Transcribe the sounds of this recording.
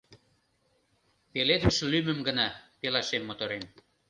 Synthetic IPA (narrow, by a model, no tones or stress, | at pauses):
peled̪əʃlymə̆mɡənɑpelɑʃemːot̪oɾen